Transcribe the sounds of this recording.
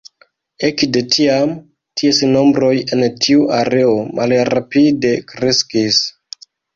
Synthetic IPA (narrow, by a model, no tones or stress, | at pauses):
e̞kde̞tʰiam | tʰiesno̞mbɾo̞je̞ntʰiuʔaɾe̞o̞mʔalɾapide̞kɾe̞skis